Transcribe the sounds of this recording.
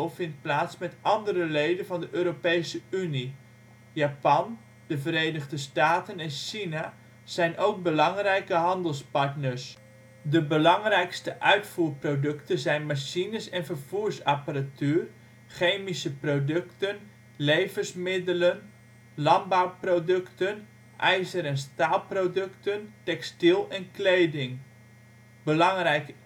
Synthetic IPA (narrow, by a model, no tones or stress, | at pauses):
lˠvɪnt̚plaːtsmɛtɑndərəlejdənvɑndəʔøːɾopejsəyni | japɑn | d̥əvəɾejnəχdəstaːtənɛnʃina | z̥ɛjnʔowk̚bəlɑŋrɛjkəɦɑndəlˠspɑɹtnəɹs | dəbəlɑŋrɛjkstəʔœɥtfuːɹprodɵktənzɛjnmaʃinəsɛnfərv̥uːɹsaparatyːər | χejmisəprodɵktən | lejvəsmɪdələn | lɑmbawprodɵktən | ʔɛjzəɾɛnstaːlˠprodɵktəntɛkstilˠɛnkleːdɪŋ | bəlɑŋrɛjk